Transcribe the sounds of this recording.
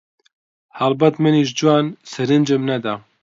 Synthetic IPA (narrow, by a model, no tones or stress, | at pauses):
halbɛt̪mɨniʒd͡ʒuwɑːnsɛɾɨnd͡ʒɛmnɛd̪a